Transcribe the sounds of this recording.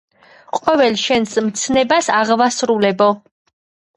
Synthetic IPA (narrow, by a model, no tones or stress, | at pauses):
qʼwɛvɛlʃɛnsmt̪sʰnɛbasaʁvasɾulɛbɔ